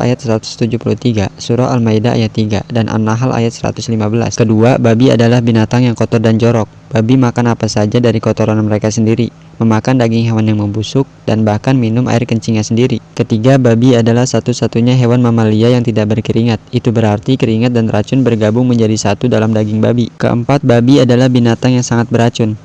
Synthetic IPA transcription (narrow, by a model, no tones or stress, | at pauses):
a̰jat̪̚səɾat̪ʊ̥st̪ud͡ʒuhpulut̪iɡasuɾɔ̰almaidaʔa̰jat̪ːiɡa̰danʔa̰naɦalʔa̰jat̪̚səɾa̰t̪ʊslimabəla̰skəduababia̰dalahbinat̪aŋjaŋkɔt̪ɔrdand͡ʒoɾɔk̚b̥abimakanapasad͡ʒadaɾikɔt̪ɔɾanməɾekasəndiɾi | məmakandaɡɪŋɦewanjaŋməmbusʊk̚danbahkanminʊmʔa̰ɪrkəɲt͡ʃiŋɲasəndiɾikət̪iɡababiadalahsat̪usat̪uɲaɦewanmamaliajaŋt̪idaʔ̚bərkəɾiŋat̪̚it̪ubəɾart̪ikəɾiŋat̪̚danrat͡ʃʊnbərɡabʊŋməɲd͡ʒadisat̪udalamdaɡɪŋbabikə̰ʔə̰mpat̪̚babiadalahbinat̪aŋjaŋsaŋat̪̚bəɾat͡ʃʊn